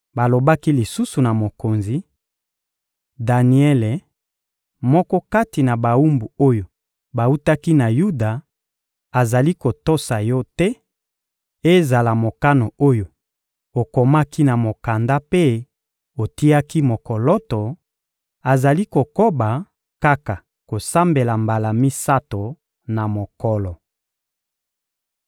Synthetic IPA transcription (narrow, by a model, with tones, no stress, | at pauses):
ba˨lo˨ba˦ki˦li˨su˦su˨na˨mo˨ko˨nzi˨ | da˨ni˨ɛ˦le˨ | mɔ˦kɔ˦ka˦ti˨na˨ba˨wu˦mbu˨o˦jo˨ | ba˨u˦ta˦ki˦na˨ju˦da˨ | a˨za˨li˦ko˨to˦sa˨jɔ˦tɛ˦ | e˦za˨la˨mo˨ka˦no˨o˦jo˨ | o˨ko˨ma˦ki˦na˨mo˨ka˨nda˦pe˦ | o˨ti˦a˦ki˦mo˨kɔ˨lɔ˦tɔ˨ | a˨za˨li˦ko˨ko˦ba˨ | ka˦ka˨ | ko˨sa˦mbe˨la˨mba˨la˨mi˦sa˦to˨ | na˨mo˨kɔ˨lɔ˨